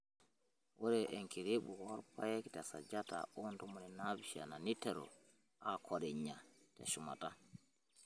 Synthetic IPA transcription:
wɔɾɛʔɛŋkiɾeɓuhɔɾpajɛkitasa̰d͡ʒata̰ɔntɔmɔnɛnabiʃia̰nanitːɛɾɔ̰ | akʰɔɾɛɲːatɛ̰ʃuma̰ta

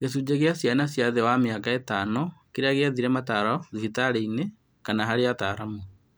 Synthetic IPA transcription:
ɣesud͡ʑeɣeasjanasjaðewameakaetaːnokeɾeaɣeaðiɾɛmataɾɔðuhitaɾeine | kanaɦaɾeataɾamu

